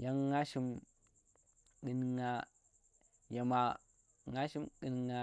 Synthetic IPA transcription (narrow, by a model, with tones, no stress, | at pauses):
ja˦ŋːa˦ʃi˦m | ɡi˨nŋa˦ | ja˨ma˨ | ŋa˦ʃi˦mɡi˨nŋa˦